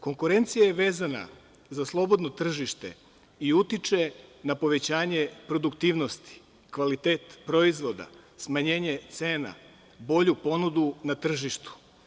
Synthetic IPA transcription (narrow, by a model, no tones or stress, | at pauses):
ko̞ŋkuɾe̞nt̪sijajeʋe̞ːzana̰ | zaslˠo̞bo̞d̪no̞t̪r̩ʒiʃt̪e̞̰ | iut̪it͡ʃe̞napo̞ʋe̞t͡ɕaːɲe̞pɾo̞d̪ukt̪iːʋno̞st̪i̥ | kʋalit̪e̞ːt̪pɾo̞izʋo̞d̪a̰smaɲe̞ːɲet̪se̞ːna̰ | bo̞ʎupo̞nud̪unat̪r̩ʒiʃt̪u̥